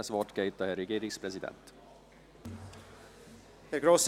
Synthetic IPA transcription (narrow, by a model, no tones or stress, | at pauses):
esvot̪kejt̪ːɑheɾeɡeːɾikspresid̪ḛnt̪ | hæɾɡɾos